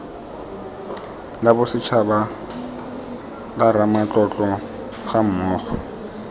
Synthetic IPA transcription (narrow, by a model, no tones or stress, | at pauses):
labʊsɪt͡ʃʰaba | laɾamat͡ɬʼɔt͡ɬʼɔ | χam̩mɔːχɔ